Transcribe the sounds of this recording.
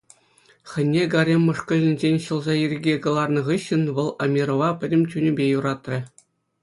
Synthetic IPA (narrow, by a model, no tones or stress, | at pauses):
χʲɘ̆nʲːeɡɑɾʲemʲːɤ̆ʂkɤ̆lʲɘ̆nʲzʲenʲɕɤ̆lˠzɑjirʲiɡʲekɤ̆lˠɑrnɤ̆ʁɯɕːɘ̆nʋɤ̆lˠɑmʲiɾŏʋɑpʲɘ̆dʲɘ̆mʲt͡ɕʲynʲɘ̆bʲejuɾɑt̪rʲɘ̆